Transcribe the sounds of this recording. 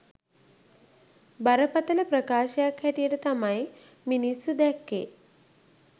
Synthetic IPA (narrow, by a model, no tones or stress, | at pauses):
baɾəpat̪ələpɾəkaːʃəjakhæʈijəʈət̪amaj | minisːud̪ɛkːḛ